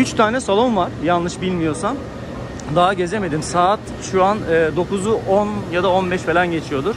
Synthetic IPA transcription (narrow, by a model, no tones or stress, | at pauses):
yt͡ʃt̪ʰaːnɛsalˠomvaɾ̥janlˠɯʃbilʲmijo̞sam | d̪aɦaɟe̞zeme̞d̪imsaːt̪ | ʃuanɯːd̪o̞kuzuʔonjad̪aonbɛʃfelʲænɟe̞t͡ʃʰijo̞d̪uɾ̥